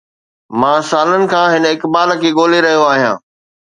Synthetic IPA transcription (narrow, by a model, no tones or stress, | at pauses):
mãːsaːlənɪ̆kʰãːɦɪnɪkbaːlkʰeːɠoːleɾɐɦijoaːɦijã̰ː